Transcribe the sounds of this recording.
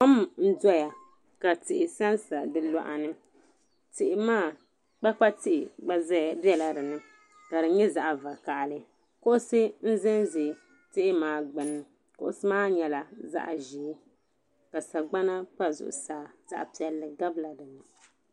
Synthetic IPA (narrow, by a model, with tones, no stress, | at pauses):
ko˦m˨n̩˦dɔ˦ja˨ | ka˨tɪ˨ʔɪ˨sa˦nsa˨dɨ˨lɔ˨ʔa˨nɨ˦ | tɪ˨ʔɪ˨maː˦ | k͡pa˦k͡pa˦tɪ˦ʔɪ˨ɡ͡ba˦bɛ˦la˨dɨ˨nɨ˦ | ka˨dɨ˨ɲɛ˦za˨ʔa˨va˨ka˨ʔlɨ˦ | kʊ˦ʔʊ˦sɨ˦n̩˦zɪ˦nzɪ˨ | tɪ˦ʔɪ˦maː˨ɡ͡bɨ˨nːɨ˦ | kʊ˦ʔʊ˦sɨ˦maː˦ɲɛ˨la˨za̰˦ʔʒiː˨˦ | ka˨sa˨ɡ͡ba˦na˦pa˦zʊ̰˨ʔʊ̰˨saː˨za̰˦ʔpi˨ɛ˨lːɨ˨ɡa˦bla˨dɨ˨nɨ˨